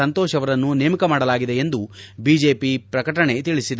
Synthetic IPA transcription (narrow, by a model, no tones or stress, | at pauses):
ɐnt̪ɔːʃɐʋɐɾɐnːuneːmikɐmaːɽɐlaːɡid̪e̞end̪ubiːd͡ʒe̞ːpipɾɐkɐʈɐɳe̞t̪iɭisid̪e